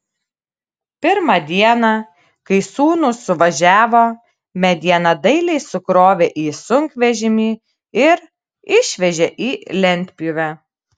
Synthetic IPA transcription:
pʲɪɾmɑd̪ʲiɛnɑ | kɐɪsuːnʊsʊʋɐʒʲæːʋoː | mʲɛd̪ʲiɛnɐd̪ɐɪlʲɛɪsʊkɾoːʋʲeʔiːsʊŋʲkʋʲɛʒʲɪmʲiː | ɪɾ | ɪʃʲʋʲɛʒʲɛʔiːlʲɛnʲt̪ʲpʲʊʋʲæ

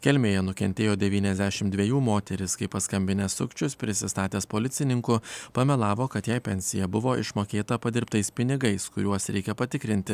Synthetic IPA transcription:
kʲɛlʲmʲeːjɛnʊkʲɛnʲt̪ʲeːjoːd̪ʲɛʋʲiːnʲɛzʲd̪ʲæʃʲɪmd̪ʲʋʲɛjuːmoːt̪ʲɛɾʲɪskɐɪpɐskɐmʲbʲɪnʲɛsʊkt͡ʃʲʊspʲɾʲɪsʲɪst̪ɑːt̪ʲeːspoːlʲɪt̪ʲɪnʲɪŋkʊpɐmʲɛlˠɑːʋoːkɐt̪jɛɪpʲɛnʲsʲɪjɛbʊʋoːʔɪ̰ʃmoːkʲeːt̪ɐpɐd̪ʲɪɾpt̪ɐɪspʲɪnʲɪɡɐɪskʊɾʲuɔsɾʲɛɪkʲɛpɐt̪ʲɪkɾʲɪnʲt̪ʲɪ

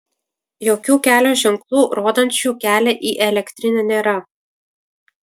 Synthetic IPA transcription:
joːkʲuːkʲæːlʲoːʒʲɪŋklˠuːɾoːd̪ɐnʲt͡ʃʲuːkʲæːlʲɛʔiːʔɛlʲɛkʲt̪ʲɾʲɪnʲɛnʲeːɾɐ

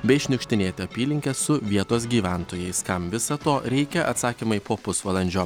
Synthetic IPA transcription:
bʲɛɪɪʃʲnʲʊkʃʲt̪ʲɪnʲeːt̪ʲɛɐpʲiːlʲɪŋʲkʲɛsʊʋʲiɛt̪oːsɡʲiːʋʲæˑnt̪oːjɛɪskɐmʋʲɪsɐt̪oːɾʲɛɪkʲɛʔɐ̰t̪sɑːkʲiːmɐɪpoːpʊsʋɐlˠɐnʲd͡ʒʲoː

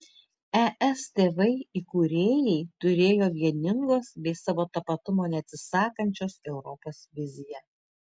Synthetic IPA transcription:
ɛʔɛst̪ʲeːʋɐɪikuːɾʲeːjɛɪt̪ʊɾʲeːjoːʋʲiɛnʲɪŋɡoːsbʲɛɪsɑːʋoːt̪ɐpɐt̪ʊmoːnʲɛɐt̪ʲsʲɪsɑːkɐnʲt͡ʃʲoːsɛʊɾɔpoːsʋʲɪzʲɪjɛ

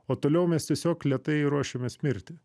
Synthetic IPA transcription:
oːt̪oːlʲɛʊmʲɛst̪ʲiɛsʲoːklʲiɛt̪ɐɪɾuɔʃʲemʲɛsʲmʲɪɾʲt̪ʲɪ

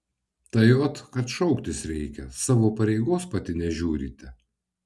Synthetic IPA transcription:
t̪ɐjoːt̪kɐt̪ʃɔʊkt̪ʲɪsɾʲɛɪkʲɛsɑːʋoːpɐɾʲɛɪɡoːspɐt̪ʲɪnʲɛʒʲuːɾʲḭːt̪ʲɛ

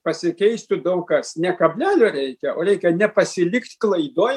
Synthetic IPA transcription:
pɐsʲɪkʲɛɪst̪ʲʊd̪ɐʊkɐsnʲɛkɐbʲlʲæːlʲoːɾʲɛɪkʲɛoːɾʲɛɪkʲɛnʲɛpɐsʲɪlʲɪkt̪ʲklˠɐɪd̪oːj

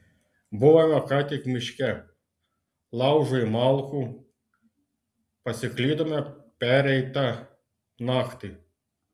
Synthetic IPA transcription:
bʊʋɐmɔkɑt̪ʲɪkmʲɪʃʲkʲɛ | lˠɑʊʒʊjɪmɑlˠxu | pɐsʲɪklʲid̪ɔmʲɛpʲɛɾʲɛjt̪ɐ | nɑxt̪ɪ

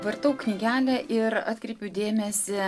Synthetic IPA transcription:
ʋɐɾt̪ɐʊknʲiːɡʲæːlʲɛʔɪɾɑ̰ːt̪ʲkɾʲɛɪpʲʊd̪ʲeːmʲɛsʲɪ

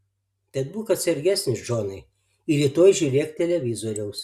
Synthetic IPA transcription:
t̪ʲɛt̪̚buːkɐt̪sʲɛɾʲɡʲæsʲnʲɪsʒoːnɐɪ | ɪɾʲiːt̪oːjʒʲuːɾʲeːkt̪ʲɛlʲɛʋʲɪzoːɾʲɛʊs

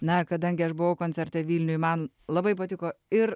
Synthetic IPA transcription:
nɐkɐd̪ɐŋʲɡʲɪɐʃbʊʋɐʊkoːnʲt͡ssʲɛɾʲt̪ʲɛʋʲiːlʲnʲʊjmɐn | lˠɐbɐɪpɐt̪ʲɪkoːɪɾ

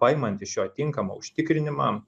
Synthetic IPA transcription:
pɐjɪmɐnʲt̪ʲɪsʃjoːt̪ʲɪŋkɐmo̰ːʊʃʲt̪ʲɪkɾʲɪnʲɪmɑ

